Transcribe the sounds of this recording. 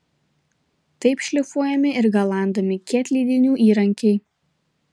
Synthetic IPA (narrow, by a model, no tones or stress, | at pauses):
t̪ɐɪpʃʲlʲɪfuɔjɛmʲɪʔɪɾɡɐlˠɑˑnd̪ɐmʲɪkʲɛːt̪ʲlʲiːd̪ʲɪnʲuːʔiːɾɐŋʲkʲɛɪ